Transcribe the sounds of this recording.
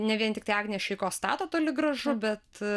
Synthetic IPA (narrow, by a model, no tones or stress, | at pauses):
nʲɛʋʲiɛnt̪ʲɪkt̪ɐɪɑːɡnʲijɛʃʲɛɪkoːst̪ɑ̰ːt̪oːt̪oːlʲɪɡɾɐʒʊbʲɛt̪